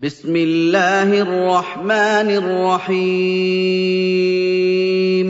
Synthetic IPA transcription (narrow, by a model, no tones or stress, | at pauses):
bɪsmɪlːaːhʔɑrˤːɑħmaːnɪrːɑħi | m